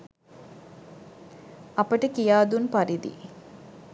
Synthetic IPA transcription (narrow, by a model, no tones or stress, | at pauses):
ɐpɐʈəkijaːd̪unpɐɾid̪ḭ